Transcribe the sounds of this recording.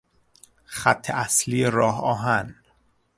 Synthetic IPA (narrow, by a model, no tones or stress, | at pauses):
χæt̪ʰːeʔæsliːeɾɒːɦɒːɦæn